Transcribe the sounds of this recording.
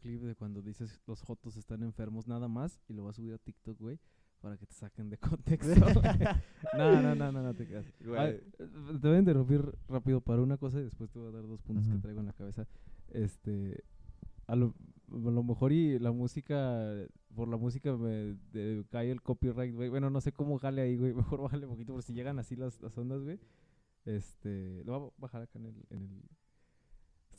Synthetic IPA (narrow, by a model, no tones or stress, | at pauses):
klipðe̞kwand̪o̞ðise̞slo̞sxo̞t̪ose̞st̪ane̞ɱfe̞ɾmo̞znaðamas | ilo̞βas̬uβiɾat̪ikt̪ok̚wej | paɾake̞t̪esakend̪e̞kont̪ekst̪o | nanonananot̪ekeasa | t̪eβaint̪eɾumpiɾrapiðo̞paɾaunako̞s̬aiðe̞spwe̞st̪e̞βoaðaɾðo̞spũnt̪osket̪ɾajɣoenlakaβe̞saest̪e̞ | aloalo̞me̞xo̞ɾilamusika | po̞ɾlamus̬ikameðekajelko̞pirajt̪̚ɡwejwe̞no̞no̞se̞ko̞moaxaleaiɣwejme̞xo̞ɾβaxalepokit̪opokesiʝe̞ɣanasilasla̰so̞nd̪azwe̞j | est̪e̞leβaβaxaɾakaenelḛnel